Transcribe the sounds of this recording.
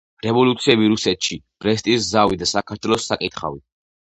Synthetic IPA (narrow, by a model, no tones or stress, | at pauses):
ɾɛvɔlut̪sʰiɛbiɾusɛt̪ʃib̥ʼɾɛst̪ʼiszavid̪asakʰaɾt̪ʰwɛlˠɔsːakʼit̪ʰχa̰vi